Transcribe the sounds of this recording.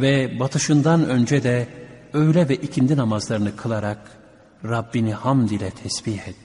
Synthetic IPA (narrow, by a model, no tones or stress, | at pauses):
vɛbat̪ʰɯʃɯnd̪anø̞nd͡ʒɛd̪ɛøjlʲɛvɛʔicʰind̪inamazlˠaɾɯnɯkʰɯlˠaɾak | ɾabːinihamd̪ilʲɛt̪ʰɛsbiɦɛt̪